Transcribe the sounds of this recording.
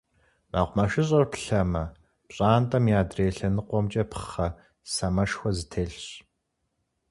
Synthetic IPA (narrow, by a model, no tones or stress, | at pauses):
maːʁʷmɐʃɪɕ̬ʼɐrpɬɐmɐ | pɕʼaːntʼɐmjaːdreːɬɐnɨqʷɔmt͡ʃʼɐpʰχɐ | sɐmɐʃxʷɔzɨtʰeːɬɕ